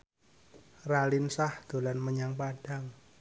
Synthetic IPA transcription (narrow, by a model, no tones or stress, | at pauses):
ralɪnsahd̪̥o̤lanməɲaŋpaɖ̥a̤ŋ